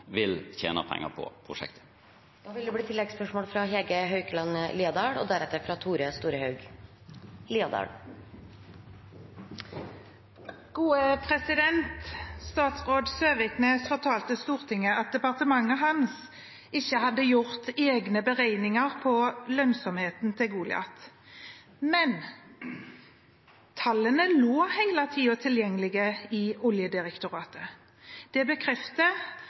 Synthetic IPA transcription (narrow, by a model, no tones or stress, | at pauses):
ʋɪlçḛːnə̰pʰɛ̰ŋːə̰pʰɔ̰pʰɾʊʂɛ̰kt̪ʰə̥ | d̪̥ɑːʋɪld̪ɛbɽiːt̪ʰɪlɛɡspœʂmoːlfɾɑɦeɡəɦœʉkəlɑnliːɑd̪ɑːɽɔ̰d̪æɾɛt̪ːəɾfɾɑt̪ʰuːɾəst̪uːɾəhɑʉɡ | liːɑd̪ɑ̰ːɽ | ɡ̥uːəpʰʁɛsɪd̪ɛnt̪st̪ɑːt̪sʁoːd̪søːʋɪkneːsfɔʁt̪ʰɑːlt̪əst̪uːʁt̪ʰɪŋːəʔɑt̪̚d̪ɛpɑʁt̪əmɑŋːəɦɑns | ɪçːəhɑd̪ːəjʊʁt̪eːɡnəbəʁæɪnɪŋəʁpʰɔlœnsɔmheːt̪n̩t̪ʰɪlɡuːlɪ̰ɑ̰t̪ | mɛn | t̪ʰɑlːənəloːhæɪlɑt̪ʰiːʊt̪ʰɪljɛŋːəlɪɡəɪʊljəd̪ɪʁɛkt̪ʊʁɑːt̪ə | d̪̥ɛbəkʰʁɛft̪ə